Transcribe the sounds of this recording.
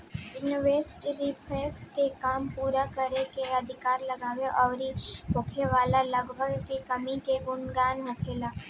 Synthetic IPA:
ɪnʋeːsʈɾipʰɾeːskekaːmpuːɾakɐɾekeɐd̪ʱɪkaːɾlɐɡaːʋeʔɔːɾibʊːkʰeʋaːlalɐɡbʱəɡkikɐmikeɡʊnɡaːnʋɐkʰeːlaː

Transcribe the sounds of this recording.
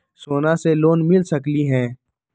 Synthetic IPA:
soːnaseloːnmɪlsɐkliɦɛ̃ː

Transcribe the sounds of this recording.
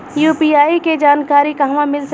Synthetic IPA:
juːpiaːiked͡ʒaːnkaːɾikaɦmãmɪls

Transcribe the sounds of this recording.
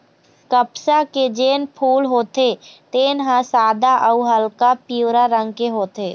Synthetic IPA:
kəpsaked͡ʒeːnpʰuːlɦoːt̪et̪eːnɦãsaːd̪aʔəʊɦəlkapiwɾaɾə̃ŋɡkeɦoːt̪eː

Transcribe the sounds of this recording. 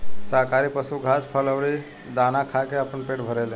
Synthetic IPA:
səɦkaɾipəsuɡʱaspʰələʋɾi | d̪anakʰakeəpənpeʈbʱəɾele

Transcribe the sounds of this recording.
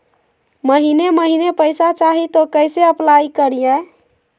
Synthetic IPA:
məɦineməɦinepəjsat͡ʃaɦit̪okəjseəplajkəɾije

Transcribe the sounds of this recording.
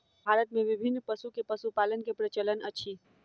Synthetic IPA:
ɦaːlət̪̚mẽʋɪbʱɪnːpɐsukepɐsupaːlənkepɾɐt͡ʃələnɐtːʃʰiː

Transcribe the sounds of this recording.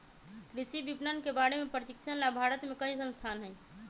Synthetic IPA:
kɾisibipnənkebaɽemepɾət͡ʃikt͡ʃʰənlabʱaɾət̪mekəɦisə̃nst̪ʰaːnɦɛj

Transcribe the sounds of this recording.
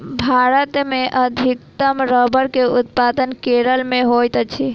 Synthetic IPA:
bʱaɾət̪meʔəd̪ʱikt̪əmɾəbəɾkeut̪pad̪ənkeɾəlmeɦojt̪t͡ʃʰi

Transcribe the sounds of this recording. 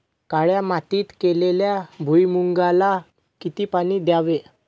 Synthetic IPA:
kaɭjamat̪iːt̪keleljabʱujmuŋɡala | kit̪iːpaɽ̃iːd̪jaʋe

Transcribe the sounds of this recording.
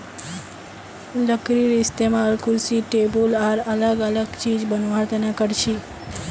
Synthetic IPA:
ləkɾiɾɪst̪emãəlkulsiʈebolaɾələɡələɡt͡ʃid͡ʒbənʋaɾt̪ənakəɾʃʰi

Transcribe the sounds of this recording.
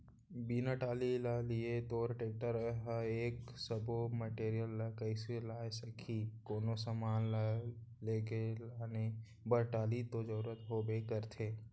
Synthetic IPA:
biːnaʈaːlilaliet̪oːɾʈeːk̚ʈəɾɦəeːksəboməʈeːɾijəlːakəɪselaːjsɐkʰikoːnosamaːnlaleːkelaːne | bəɾʈaːlit̪od͡ʒəɾuːɾət̪ɦoːbekəɾt̪ʰeː

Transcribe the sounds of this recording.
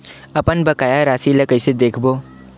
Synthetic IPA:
ɐpənbɐkaːjaɾaːsilɐkəɪsed̪eːkʰboː

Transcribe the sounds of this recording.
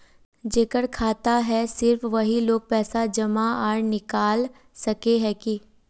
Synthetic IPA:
d͡ʒeːkəɾkʰaːt̪aɦɛsɪɾfʋɐɦiloːɡ̚pɛːsad͡ʒɐmaaːɽnɪkaːl | sɐkeɦɛːki

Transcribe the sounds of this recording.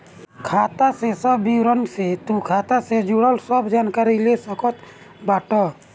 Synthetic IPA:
kʰaːt̪asesɔbːiwɾɔnset̪ũkʰat̪ased͡ʒuɽəlsɔbd͡ʒankaɾilesɔkɔt̪ | baːʈɔ

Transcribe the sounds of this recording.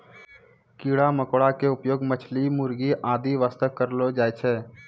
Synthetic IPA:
kiːɽaməkoɽakeʊpjoːɡmət͡ʃʰlimʊɾɡiʔaːd̪iʋaːst̪əkːəɾlod͡ʒaːet͡ʃʰeː

